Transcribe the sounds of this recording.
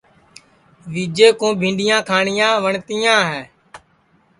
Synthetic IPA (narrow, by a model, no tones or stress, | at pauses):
ʋiːd͡ʒeːkõːbʱĩːɳɖɪjãːkʰaːɳɪjãːʋəɳt̪ijãːɦɛː